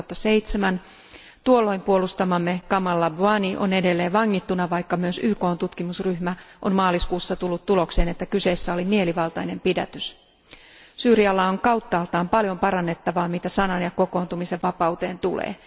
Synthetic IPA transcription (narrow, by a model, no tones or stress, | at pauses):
t̪ːɑse̞jt̪semæn | t̪uolːo̞impuo̞lust̪ɑmɑmːe̞kɑmɑlːɑbuɑniʔo̞̰ne̞de̞lːe̞ːʋʋɑŋːit̪ːunɑʋɑjkːɑmyøsyːko̞ːnt̪ut̪kimusryhmæʔo̞̰mmɑːliskuːsːɑt̪ulːut̪t̪ːulo̞kse̞ːne̞t̪ːækyse̞ːsːæo̞limie̞liʋɑlt̪ɑjne̞mpidæ̰t̪ys | syːɾiɑlːɑoŋkɑwt̪ːɑːlt̪ɑːmpɑljo̞mpɑɾɑnːe̞t̪ːɑʋɑːmit̪æsɑnɑnjɑko̞ko̞ːnt̪umise̞ʋʋɑpɑwt̪e̞̰ːnt̪ulḛː